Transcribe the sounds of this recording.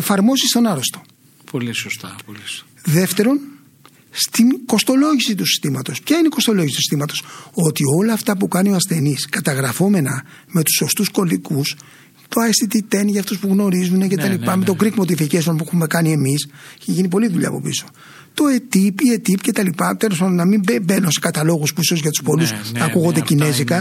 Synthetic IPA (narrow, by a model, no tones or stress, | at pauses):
efɐɾmo̞zist̪o̞nɐɾost̪o̞ | ps | ðe̞ft̪e̞ɾo̞n | st̪iko̞st̪o̞lo̞ʝisit̪usi̥st̪imɐt̪o̞spçɐineiko̞st̪o̞lo̞ʝisit̪usi̥st̪imɐt̪o̞so̞t̪io̞lɐːft̪ɐpukɐnio̞ɐsθe̞niskɐt̪ɐɣɾɐfo̞me̞nɐ | me̞t̪u̥so̞st̪usko̞likus | t̪oɐest̪it̪it̪e̞nʝɐft̪ospuɣno̞ɾizune̞ce̞t̪ɐlipɐme̞t̪o̞ɡɾikmo̞t̪̬ificesonpuexume̞kɐnie̞misicçeʝinipo̞liðuʎɐ̰ːpo̞̰pḭso̞̥ | t̪o̞et̪ipie̞t̪ipce̞t̪ɐlipɐt̪elo̞spɐnd̪onɐmimbebe̞nonse̞kɐt̪ɐlo̞ɣuspuiso̞zʝɐt̪u̥spo̞lusɐkuɣo̞nd̪ecine̞zikɐ